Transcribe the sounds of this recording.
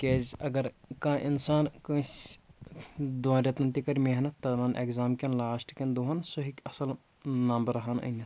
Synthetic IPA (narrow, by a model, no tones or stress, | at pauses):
keːzɐɡɐɾkãːʔinsaːnkɐ̃s | d̪ʋãːɾʲɐt̪ɐnt̪ikɐɾʲmeɦnɐt̪ːɐmɐnʔḛkzaːmkʲɐnlaːʃʈʰkʲɐnd̪uɦɐnsoɦikɐsɐl | nambɐɾɐɦanɐ̰nʲɐ